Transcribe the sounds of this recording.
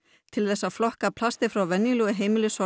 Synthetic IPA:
t̪ʰɪlθɛsːaðflɔhkapʰlast̪ɪfɾawvɛnːjɪlʏɣɪɦeːjmɪlɪsɔ

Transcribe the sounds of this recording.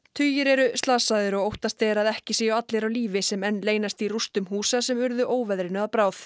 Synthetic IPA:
t̪ʰʏːjɪɾɛɾʏst̪laːsaðɪɾɔɣowht̪ast̪ɛːɾaðɛhcɪsiːjaat̪lejɾawliːvɪsɛmɛnːleːjnast̪irust̪ʏmhuːsasɛmʏɾðʏʔoːwvɛðɾɪnʏaðpɾaːwθ

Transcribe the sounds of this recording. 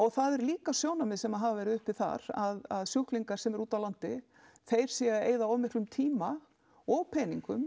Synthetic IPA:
ɔɣθaðɛɾliːkasjoːwnamɪðsɛmaðɦaːvavɛːɾɪʏhpɪθa̰ɾ̥aðaðsjuhkliŋkaɾ̥sɛmɛɾuːt̪awlant̪ɪ | θejɾ̥sjɛɣaḛːjðaɔmɛhk̪lʏmt̪ʰiːma | ɔɣpʰɛːniŋkʏm

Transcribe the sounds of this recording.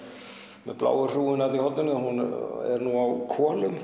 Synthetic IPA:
mɛðpla̰ːwɣʏr̥uːɪnawt̪nihɔt̪ːɪnʏhunɛ̰ɾnuawkʰɔːlʏm

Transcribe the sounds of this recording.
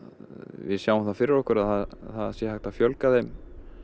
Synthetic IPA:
vɪ̰ðsjawəmθafɪɾɪɾɔhkʏɾaðθaðθaðsjɛhajxt̪afjœlkaðejm

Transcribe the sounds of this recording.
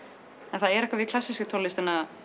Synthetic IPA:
ɛnθaðɛɾɛhkvaviðkʰlasːiskʏt̪ʰonlɪst̪ɛnːa

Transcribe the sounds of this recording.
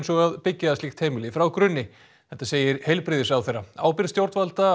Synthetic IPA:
nsɔɣaðpɪcːaðsliːxt̪heːjmɪlɪfɾawkɾʏnːɪ | θɛht̪ːaseːjɪɾhejlpɾɪðɪsawθejrːaa̰ːwpɪɾst̪jowɾt̪valt̪a

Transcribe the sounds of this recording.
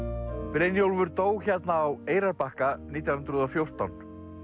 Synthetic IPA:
pɾejnjowlvʏɾt̪oːwçɛt̪naːweːjɾaɾpahkaniːt̪jawnnt̪ɾʏðɔfjowr̥t̪awn

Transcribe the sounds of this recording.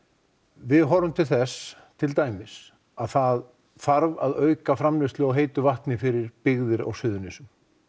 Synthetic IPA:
vɪðɦɔɾʏmt̪ʰɪlθɛs | t̪ʰɪlt̪aːjmɪs | aðθað | faɾvaðœɥkafɾamlɪst̪lʏɔɣɦeːjt̪ʏvaht̪nɪfɪɾɪɾpɪɣðɪɾa̰wsʏːðʏnɪsʏm

